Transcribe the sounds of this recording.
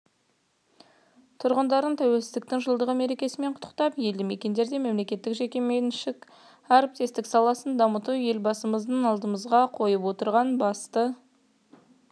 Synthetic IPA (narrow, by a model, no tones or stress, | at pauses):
t̪ʰʊɾʁənd̪ɑɾənt̪ʰæwe̞lsɪzd̪ɪk̚t̪ɪŋʒəlˠd̪əʁəme̞ɾe̞kʲe̞sɪme̞ɴqʰʊ̥t̪ʰːə̥qt̪ɑpje̞ld̪ɪme̞kʲe̞nd̪e̞ɾd̪e̞me̞mle̞kʲe̞t̪ːɪkʒe̞kʲemenʃɪk | aɾp̚t̪e̞st̪ɪksɑlˠɑsənd̪ɑmət̪uwje̞lbɑsəməzd̪əɴɑlˠd̪əməzʁɑqʰo̞jəpwo̞t̪əɾʁɑnbɑst̪ə